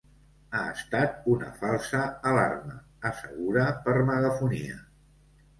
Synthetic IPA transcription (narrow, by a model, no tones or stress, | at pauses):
aəst̪at̪̚unə̰falˠsəːla̰rməː | səɣ̞uɾəpəɾməɣəfunḭə̰